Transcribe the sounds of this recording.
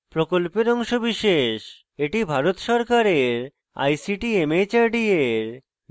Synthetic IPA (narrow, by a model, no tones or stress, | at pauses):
pɾokolpeɾɔŋʃobiʃeʃ | eʈibʱaɾot̪ʃɔɾkaɾeɾ | a̰jsiʈiemet͡ɕaɾɖieɾ